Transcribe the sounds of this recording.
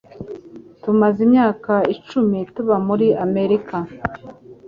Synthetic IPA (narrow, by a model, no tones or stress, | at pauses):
tumazimɲaːkait͡ʃumituβamuɾiame̞ɾika